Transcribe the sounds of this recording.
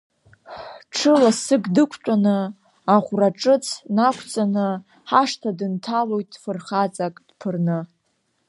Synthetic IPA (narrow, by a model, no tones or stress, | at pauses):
ħʈ͡ʂʰɨlasɨɡdɨkʷʰt͡ʃʷʼanɨ | aʁʷraʈ͡ʂʼɨt͡sʰnakʷʰt͡sʼanɨ | ħaʂtʰadɨntʰalo̞jtʼfɨrχat͡sʼakʼd̥pʰɨrnɨ